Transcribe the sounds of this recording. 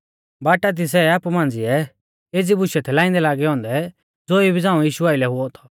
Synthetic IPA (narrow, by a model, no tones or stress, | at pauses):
baːʈat̪̬is̬ɛaːpumãːnd͡ziɛ | eːd͡zibʊʃɛt̪ʰɛlãːɪ̃nd̪ɛlaːɡɛɦɔ̃ːnd̪ɛ | d͡zoːibʱid͡zãːũjiːʃuaːɪlɛɦʊɔt̪ʰɔ̥